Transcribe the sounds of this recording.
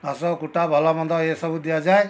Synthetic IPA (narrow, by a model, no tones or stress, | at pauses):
asɔkuʈabʱɔlamɔnd̪ɔesɔbud̪ijad͡ʒaj